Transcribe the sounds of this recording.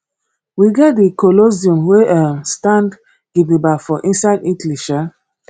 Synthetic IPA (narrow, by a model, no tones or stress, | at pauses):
wiɡɛt̚dikoloziũmweastãnd | ɡ̥ibibafɔʔĩnsaɪditliʃa